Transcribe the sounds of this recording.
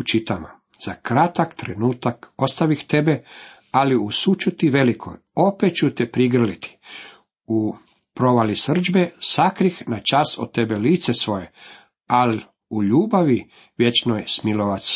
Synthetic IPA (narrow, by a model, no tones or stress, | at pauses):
ut͡ʃit̪ama̰ | z̥akɾat̪akt̪ɾenuːt̪ako̞st̪aʋixt̪ebe | aliusut͡ʃut̪iʋe̞likʰo̰j | o̞pet̪̚t͡ʃut̪epɾiɡr̩lit̪i̥ | u | pɾo̞ʋalisr̩d͡ʒbesakɾixnat͡ʃaso̰t̪ːebeliːt̪sesʋo̞je̞ | ali | uʎuːbaʋi | ʋʲje̞t͡ʃnojsmiloʋat̪si̥